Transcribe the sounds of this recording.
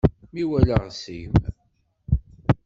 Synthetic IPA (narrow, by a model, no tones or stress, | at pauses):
miwæləʁsḭm